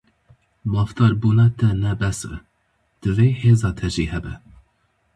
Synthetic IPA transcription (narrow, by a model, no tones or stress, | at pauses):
mɑːft̪ɑːɾbuːnɑt̪ɛnɛbɛsɨ̰ | d̪̥ɨveːheːzɑːt̪ʰɛʒiːhɛbɛ̰